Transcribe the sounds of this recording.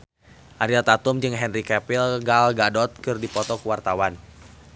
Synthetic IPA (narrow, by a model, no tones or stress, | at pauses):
ʔaɾilt̪at̪umd͡ʒɨŋɦɛnrikɛpilɡalɡadɔt̪̚kɨrdipɔt̪ɔkəwart̪awan